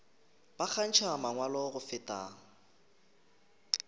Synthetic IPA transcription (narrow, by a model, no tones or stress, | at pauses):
b̥ak͡xʰan̩t͡ʃʰamaŋwalɔɣʊfɪtʼa̰ːŋ̩